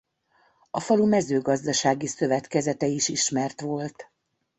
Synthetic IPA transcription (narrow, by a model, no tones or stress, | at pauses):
ɒfɒlumɛzøːɡɒzd̪ɒʃaːɡisø̞vɛt̪kɛzɛt̪ɛiʃiʃmɛrt̪ʋo̞lt̪